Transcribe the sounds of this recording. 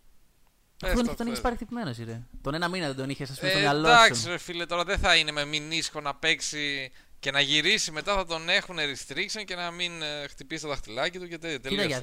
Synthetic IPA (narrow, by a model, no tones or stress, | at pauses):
esnt̪oniçespɐɾixt̪ipime̞nosiɾet̪onenɐminɐðed̪oniçesɐsfisɐloɐksofilet̪o̞ɾɐðeθɐine̞me̞minisxo̞nɐpe̞ksi | ce̞nɐʝiɾisime̞t̪ɐθɐt̪o̞ne̞xuneɾist̪ɾiksonce̞nɐminxt̪ipisit̪t̪ɐxt̪ilɐcit̪ucet̪eet̪eiɐ